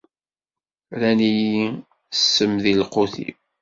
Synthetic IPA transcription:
ɾæniji | sːəmðilqoθḭ

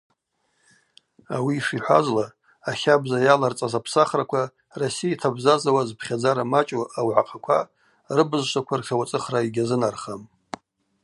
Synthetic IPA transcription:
awiːʂiħʷazlaː | χʲabzajalart͡sʼazapʰsaχrakʷʰa | rosijaitʰabzazawazpʰχʲad͡zaɾamat͡ʃʼoawʕaqʰakʷʰa | rɨbɨzʃʷakʷʰarχʲawat͡sʼɨχraiɡʲazɨnarχam

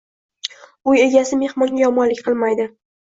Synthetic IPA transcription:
ʊje̞ɡʲasɪme̞hmɒŋʲajɒmɒnlɪkʲqʰɨlˠmajd̪ɪ

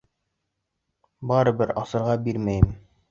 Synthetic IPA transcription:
bɑɾɤ̆bɘɾɑsɤ̆ɾʁɑbiɾmæjɘm

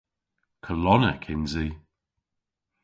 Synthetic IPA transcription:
kʰəlɔnə̰kʰɪnzi

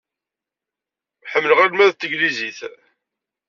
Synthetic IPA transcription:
ħəmːləʁælmæðt̪ːəɡliziθ

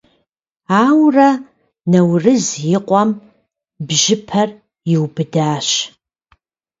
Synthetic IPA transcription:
aːwrɐ | nɐwrɨzjɪqʷʼɔm | bʒɪpʰɐr | jɪwbɨdaːʃ

